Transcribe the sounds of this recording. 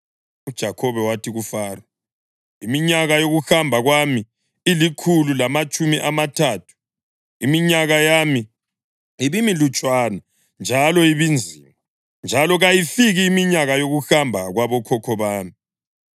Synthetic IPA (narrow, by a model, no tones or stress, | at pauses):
ud̥ʒ̥ʱakʰɔβɛwatʰiɣufaːra | imiɲaɣajoɣuxambʱaɣwami | ilikʰululamat͡ʃʼumiʔamatʰaːtʰu̥ | imiɲaɣajaːmi | iβimilut͡ʃʼwana | nd͡ʒʱalɔiβind͡zʱiːma | nd͡ʒʱalɔɣajifiɣiːmiɲaɣajoɣuxambʱaɣwaβɔkʰɔkʰɔβaːmi